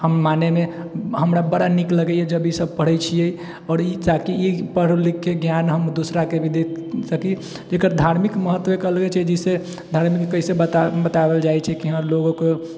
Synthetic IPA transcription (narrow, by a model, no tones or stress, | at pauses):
həmmaneme | ɦəmɾabəɽanikləɡɛiɛd͡ʒəbisəb̚pəɽ̤ɛt͡ʃʰijei | ɔːɾit͡ʃakiipəɽ̤likeɡjanɦəmd̪usɾakebʱid̪eksəki | d͡ʒekəɾd̪ʱaɾmikməɦət̪ːwekəlɡɛt͡ʃʰɛd͡ʒise | d̪ʱaɾmikːəɦisebət̪bət̪abeld͡ʒajt͡ʃʰɛkiɦəloɡoke